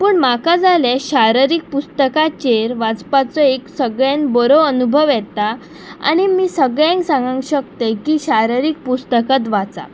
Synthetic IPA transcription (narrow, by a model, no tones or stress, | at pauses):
puːɳmakad͡zaleɕaɾəɾik̚pust̪əkat͡ɕeɾʋad͡zpat͡sɔeksəɡɭjanbɔɾoənubʱəʋjɛt̪a | a̰ɽ̃imiːsəɡɭjẽŋsãŋɡãŋkɕək̚t̪ekiːɕaɾəɾik̚pust̪əkət̪̬ʋat͡sa̰